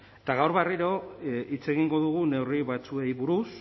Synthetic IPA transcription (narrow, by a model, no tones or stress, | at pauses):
t̪aɣawɾβeriɾo̞it͡se̞ɣiŋɡo̞ðuɣ̞une̞wriβat͡sue̞jβuɾus